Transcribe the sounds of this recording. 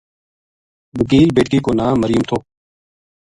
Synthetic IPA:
bəkiːlbeːʈ̚kiːkoːnaːməɾɪjʊmt̪ʰoː

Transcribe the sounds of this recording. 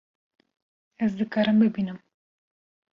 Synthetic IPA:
ɛzd̪ɨkɑːɾɨmbɨbiːnɨm

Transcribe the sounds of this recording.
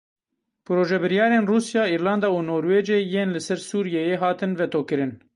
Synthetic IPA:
pɨɾoːʒɛbɨɾijɑːɾeːnruːsjɑːiːɾlɑːnd̪ɑːunoːɾweːd͡ʒeːjeːnlɨsɛɾsuːɾijejeːɦɑːt̪ɨnvɛt̪ʰoːkɨɾɨn

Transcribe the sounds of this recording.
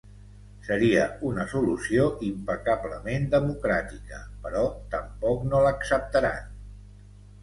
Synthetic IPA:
səɾiəunəsulusioʔimpəkabləmend̪əmukɾat̪ikəpəɾɔt̪əmpɔknoləksəp̚t̪əɾa̰n

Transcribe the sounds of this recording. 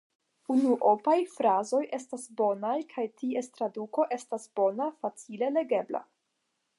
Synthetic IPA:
unuʔo̞pajfɾazo̞jʔe̞stasbo̞najkʰajtie̞stɾaduko̞ʔe̞stasbo̞nafat͡sile̞le̞ɡe̞bla̰

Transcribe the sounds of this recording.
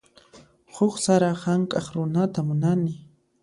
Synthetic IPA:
hʊχsaɾahaŋkʼaχɾʊnat̪amʊnanɪ

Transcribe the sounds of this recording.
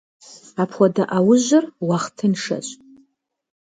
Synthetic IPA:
apʰwadaʔawʊʒʷɨrwaχtʰɨnʂa̰ɕʷʼ

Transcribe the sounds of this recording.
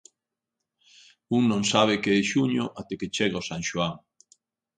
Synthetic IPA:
uŋnõŋsaβ̞ɪkeɪʃuɲoʔat̪eket͡ʃeɣaosaŋʃuaŋ

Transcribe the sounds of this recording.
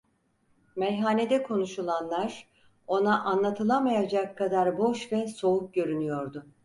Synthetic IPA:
mɛjɦaːned̪ɛkʰo̞nuʃulˠanlˠaɾ̥ | o̞naʔanlˠat̪ʰɯlˠamajad͡ʒakʰːad̪aɾbo̞ʃvɛso̞uk̚ɟø̞ɾynyjo̞ɾd̪ʊ

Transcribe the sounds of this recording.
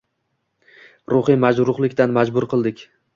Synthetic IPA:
ɾʊχɨmad͡ʒɾʊʁlˠɪkʲt̪anmad͡ʒbʊɾqɨlˠd̪ɪkʲ

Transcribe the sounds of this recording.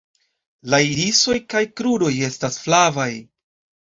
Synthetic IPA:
laiɾiso̞jkajkɾuɾo̞je̞stasflavaj

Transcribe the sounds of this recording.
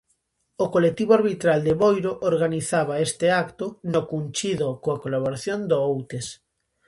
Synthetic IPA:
okolek̚t̪iβoaɾβit̪ɾald̪eβojɾoʔoɾɣaniθaβ̞aest̪eakt̪onokunt͡ʃiðokoakolaβoɾaθjond̪oowt̪es

